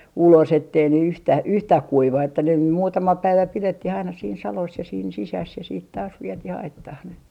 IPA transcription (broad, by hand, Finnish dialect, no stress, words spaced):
ulos etːei ne yhtæ yhtæh kuiʋɑ etːæ ne muːtɑmɑ pæiʋæ piletːih ɑinɑ siːn sɑlos jɑ siːn sisæs jɑ siːt tɑːs ʋietih ɑitːɑh ne